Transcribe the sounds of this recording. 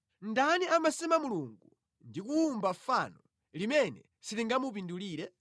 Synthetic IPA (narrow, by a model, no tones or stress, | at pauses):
ndaniamasɛmamuluŋɡu | ndikuːmbafanɔ | limɛnɛ̰ | sitiŋɡamup̬induliːɾɛ